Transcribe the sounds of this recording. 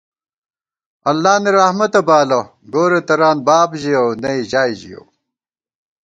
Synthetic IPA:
ɐlːaːniɾɐhmɐt̪ɐbaːlɐ | ɡoːɾet̪ɐɾaːnbaːbʑiɐwnɐiʑaːjʑḭjo̰w

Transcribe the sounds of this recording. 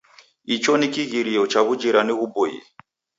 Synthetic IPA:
it͡ʃɔnikiɣiɾiɔt͡ʃaβud͡ʒiɾaniɣubɔjḭ

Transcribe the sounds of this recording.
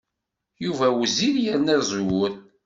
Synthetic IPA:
juvæwziɾjəɾnæzˤwʊθ

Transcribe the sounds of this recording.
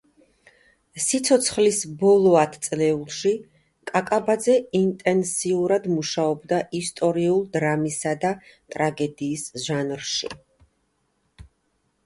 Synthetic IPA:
sit̪sʰɔt̪sʰχlisbɔlˠɔat̪ʰt̪sʼlɛulˠʃi | kʼakʼabad̪zɛint̪ʼɛnsiuɾad̪muʃaɔbd̪aʔist̪ʼɔɾiulˠd̪ɾamisad̪at̪ʼɾaɡɛd̪iːsʒanɾʃḭ

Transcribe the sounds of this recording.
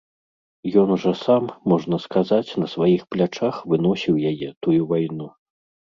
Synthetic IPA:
jɔnuʐɐsamːɔʐnɐskazat͡sʲnɐsvajixplʲat͡ʂaxvɨn̪ɔsʲiwjajɛt̪ujuvajnu

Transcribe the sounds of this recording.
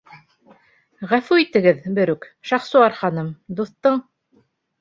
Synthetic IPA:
ʁæfʉit̪ɘ̆ɡɘðbɘ̆ɾʉkʃɑχsuɑɾχɑnɤmd̪uθt̪ɤɴ

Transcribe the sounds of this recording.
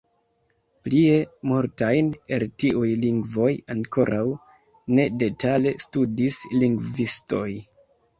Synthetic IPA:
plie̞muɾtajne̞ltiujliŋɡvo̞jaŋko̞ɾʔaw | ne̞de̞tale̞studisliŋɡvisto̞j

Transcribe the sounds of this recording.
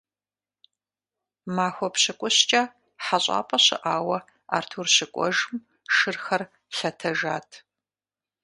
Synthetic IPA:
maːxʷɔpɕɪkʷʼʊɕt͡ʃʼa | ħaɕʼa̰ːpʼɐɕɪ̰ʔaːwɐ | a̰ːrtʰuːrɕɪkʷʼɔ̰ʒm | ʂɨrxɐr | ɬɐtʰɐʒaːtʰ

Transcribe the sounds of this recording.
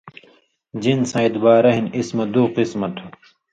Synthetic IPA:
d͡ʑinsɐ̃it̪baːɾɐɦinismɐd̪uqismɐt̪ʰu

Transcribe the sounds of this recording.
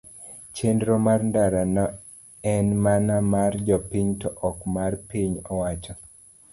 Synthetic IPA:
t͡ʃendɾɔmarndaɾanɔ | ɛnmanamard͡ʒɔpiɲtɔʔɔkmarpiɲɔwat͡ʃɔ

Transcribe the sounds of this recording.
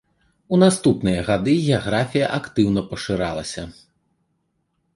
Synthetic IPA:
unast̪upnɨjɐɣad̪ɨɣʲɛaɣɾafʲijɐʔakt̪ɨwn̪ɐpɐʂɨɾalˠɐsʲɐ

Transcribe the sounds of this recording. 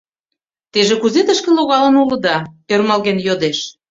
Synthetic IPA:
t̪eʒĕkuzet̪əʃkĕloɣɑlə̆nulə̆d̪ɑørmɑlɣenjod̪eʃ

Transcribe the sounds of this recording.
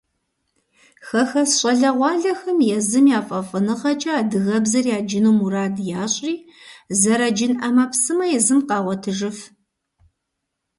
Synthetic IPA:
xɐxɐsɕʼɐɮɐʁʷɑːɮɐxɐmjɛzɨmjaːfʼɐfʼɨnɨqɐt͡ʃʼɐaːdɨɣɐbzɐrjaːd͡ʒɪnuːmuɾaːdjaːɕʼiːzɐɾɐd͡ʒɪnʔɐmɐpsɨmɐjɛzɨmqɑːʁʷɔtʰɨʒɨf

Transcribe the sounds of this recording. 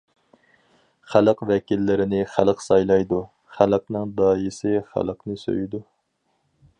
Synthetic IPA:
χælˠəqvɛkʲilːɪɾɪnɪχælˠəqsɑjlˠɑjd̪u | χæləqnɨŋd̪ɑːjɪsɪχæ̰lˠəqnɨsø̰jɪd̪u

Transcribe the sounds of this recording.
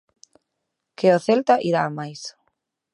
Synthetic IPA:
keoθelt̪aʔiɾamajs

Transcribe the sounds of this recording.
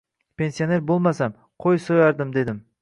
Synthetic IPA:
pʰe̞nsione̞ɾbolˠmasam | qʰojsojɑɾd̪ɨmd̪e̞d̪ɪm

